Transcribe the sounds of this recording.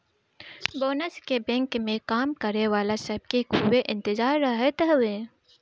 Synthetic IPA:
boːnəskebɛ̃ːŋkmẽkaːmkɐɾeʋaːlasɐb̚kekʰuweʔɪ̃nt̪ɪzaːɾːɐɦet̪əɦʋẽː

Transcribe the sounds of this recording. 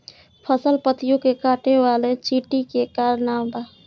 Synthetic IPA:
pʰəsəlpət̪ɪjõkekaːʈeʋaːlet͡ʃiʈikekaːɾnaːwd̪aː

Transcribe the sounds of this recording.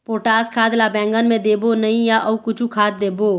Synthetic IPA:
poːʈaːskʰaːd̪labɛ̃ːŋɡənmẽd̪eːbonɐĩjaʔɐkʊt͡ʃʰũkʰaːt̪̚d̪eːboː

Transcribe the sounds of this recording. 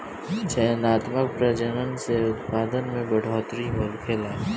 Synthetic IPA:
t͡ʃʰɛɦnaːt̪mək̚pɾɐd͡ʒəɾənseʊt̪paːd̪ənmẽbɐɽ̤ʱoːt̪ɾimʊlkʰelaː

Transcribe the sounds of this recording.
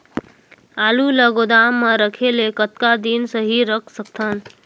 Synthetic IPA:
aːluləɡod̪aːmːə̃ɾəkʰelekət̪̚kad̪insəɦiɾəkʰsək̚t̪ʰən

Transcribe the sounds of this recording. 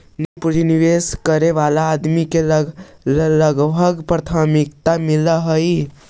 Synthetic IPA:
nepuɾiniʋeskəɾeʋalaːd̪mikelləɡbʱəɡpɾət̪ʰamikt̪amilaɦəi

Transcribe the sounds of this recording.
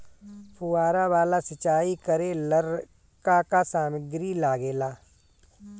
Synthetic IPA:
pʰuaːɾaʋaːlasɪt͡ʃaːikəɾẽləɾ | kakasaːməɡɾilaːɡeːlaː

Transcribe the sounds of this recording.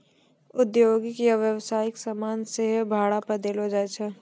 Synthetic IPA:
ʊd̪joːɡɪkjaʋjəwsaːjɪksamaːnseɦbʱaːɽapɐd̪eːlod͡ʒaːt͡ʃʰa

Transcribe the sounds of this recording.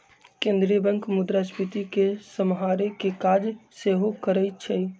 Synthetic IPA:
kẽnd̪ɾijəbəŋkmud̪ɾaspit̪ikesəmɦaɾekekad͡ʒseɦokəɾəjt̪̚t͡ʃʰɛ

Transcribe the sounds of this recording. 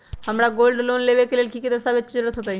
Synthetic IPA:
həmɾaɡoːlɖlonleʋekelelkikid̪əsabet͡ʃkd͡ʒəɾəɾət̪ʰɦot̪̬ai

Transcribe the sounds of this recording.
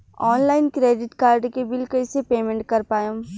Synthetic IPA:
ɔːnlaːɪnkɾeːɖɪʈkaːɾɖkebɪlkəɪsepeːmẽɳʈ̚kɐɾpaːjõ

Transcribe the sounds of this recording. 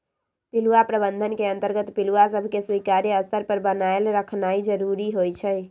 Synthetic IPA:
piluapɾəbənd̪ʱənkeənt̪əɾɡət̪piluwasəbʱkeswikaɾeəst̪əɾpəɾbənaelɾəkʰnaid͡ʒəɾuɾiɦojt͡ʃʰəj

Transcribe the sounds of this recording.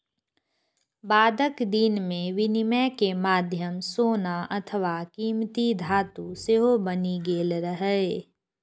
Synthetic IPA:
baːd̪əkd̪inmẽʋɪnɪmɛkemaːd̪ʱjəmsoːnaʔɐt̪ʰəʋakiːmt̪id̪ʱaːt̪useɦobəniɡeːlɾəɦɛ

